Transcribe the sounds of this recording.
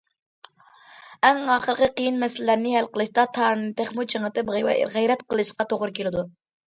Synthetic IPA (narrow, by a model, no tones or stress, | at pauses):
ɛŋɑːχəɾqəqijinmɛsɪlɪlæɾnɪɦɛlqəlˠɨʃt̪ɑt̪ʰɑɾɨnɨt̪ʰeχmut͡ʃʰəŋət̪ɨpʁɛwɛ̰ʁɛjɾɛt̪qʰəlˠɨʃqɑt̪ʰoʁɾɨkʲelɪd̪u